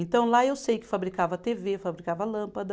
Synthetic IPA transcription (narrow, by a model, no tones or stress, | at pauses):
ẽnt̪ɐ̃w̃laewsejkɪ̥fabɾikavɐt̪evefabɾikavɐlɐ̃pɐd̪ɐ